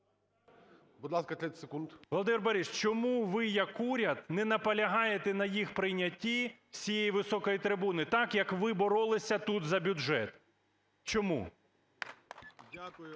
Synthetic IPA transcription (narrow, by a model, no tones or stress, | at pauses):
bud̪lˠɑskɐt̪lʲɛsekunt̪ʋɔlˠɔd̪ɪmʲɛrbɐɾʲiʃt͡ʃɔmuʋɪjɐkuɾʲɐd̪nɛnɐpɐlʲɐɦɑjet̪ɛnɐjixpɾɪjnʲɐtʲːiwsʲijejiʋɪsɔkɔjit̪ɾɪbunɪt̪ɑkjɐkʋɪbɔɾɔlˠɪsʲɐt̪ut̪zɐbʲʊʒɛt̪ | t͡ʃɔmṵ | dʲakʊjʊ